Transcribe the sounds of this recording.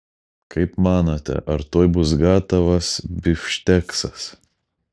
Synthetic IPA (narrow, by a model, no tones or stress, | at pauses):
kʰɐɪpmɑːnoːt̪ʲɛ̰ʔɐɾt̪oːjbʊs̬ɡɑːt̪ɐʋɐsbʲɪfʲʃʲt̪ʲɛksɐs